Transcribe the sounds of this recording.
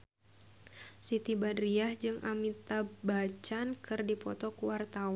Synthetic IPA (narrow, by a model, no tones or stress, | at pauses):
sit̪ibadɾiahd͡ʒɨŋʔamit̪abat͡ʃankɨrdipɔt̪ɔkuwart̪awa